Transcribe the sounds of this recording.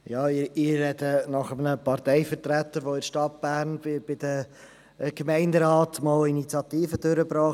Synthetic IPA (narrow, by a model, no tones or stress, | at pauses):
jɑːɪɪɾːɛdənɑχəmənəpɑɾtɛɪfəɾtɾæt̪əɾʋoɪɾʃtɑt̚b̥æːɾnbɪb̥ɪd̥ə | ɡ̥mæɪndəɾɑːtmɑːlinit͡sjɑtiːfəd̥øɾəbɾɑː